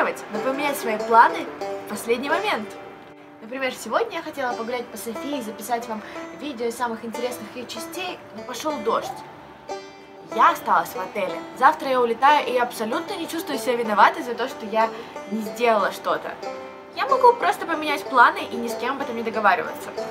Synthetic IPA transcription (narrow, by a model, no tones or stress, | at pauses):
əvətʲnəpəmʲɪnʲætʲsvɐiplˠanɨfpɐsʲlʲedʲnʲɪjmɐmʲe̞nt̪ | nəpɾʲɪmʲe̞rfsʲɪvo̞dʲnʲəjaxɐtʲe̞lˠəpɐɡʊɾʲæt̚ʲpəsɐfʲiːzəpʲɪsatʲvamvʲidʲɪosamɨxɪnʲtʲɪɾʲe̞snɨxɪt͡ɕɪsʲtʲejnopɐʂolˠd̪o̞ʂtʲ | jaɐst̪alˠəsʲvɐt̪ɛlʲɪzaft̪ɾəjaʊlʲɪt̪ajʊʔɪjaɐpsɐlʲut̪nənʲɪt͡ɕust̪vʊjʊsʲɪbʲavʲɪnɐvat̪əzɐt̪o̞ʂt̪ojanʲɪzʲdʲe̞lˠəlˠəʂt̪o̞t̪ə̰ | jamɐɡupɾo̞st̪əpəmʲɪnʲætʲplˠanɨʔinʲɪsʲkʲemɐbɛt̪əmnʲɪd̪əɡɐvaɾʲɪ̰və̰t̪sə̥